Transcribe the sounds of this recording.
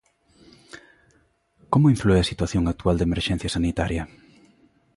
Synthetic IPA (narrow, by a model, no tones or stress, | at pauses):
komoiɱflueɐsit̪waθjoŋak̚t̪uald̪emeɾʃɛn̟θjɐsanit̪aɾjɐ